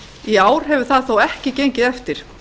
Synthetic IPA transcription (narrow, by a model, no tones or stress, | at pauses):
iaːwɾ̥ɦɛvʏ̥θaðθowɛhcɪcejɲcɪðɛft̪ɪɾ̥